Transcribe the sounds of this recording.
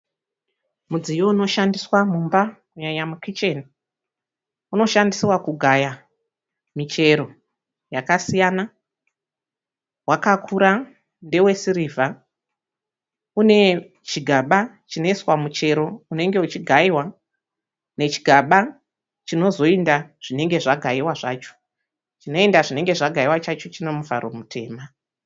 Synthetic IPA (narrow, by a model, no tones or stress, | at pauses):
mud͡zijouno̞ʃandiswamumba | ujaɲamukit͡ʃe̞ni | uno̞ʃandisiwakuɡʱaja | mit͡ʃe̞ɾo̞ | jakasijana | wakakʰuɾa | nde̞we̞siɾivʱa | une̞ | t͡ʃiɡʱaɓa | t͡ʃino̞iswamut͡ʃe̞ɾo̞une̞ŋɡe̞ut͡ʃiɡʱaiwa | ne̞t͡ʃi̥ɡʱaɓa | t͡ʃino̞zo̞endaʐ̥ine̞ŋɡe̞ʐaɡʱaiwaʐaːt͡ʃo̥ | t͡ʃino̞e̞ndaʐine̞ŋɡe̞ʐaɡʱaiwat͡ʃat͡ʃo̞t͡ʃine̞muvʱa̰ɾo̞mutʰe̞ːma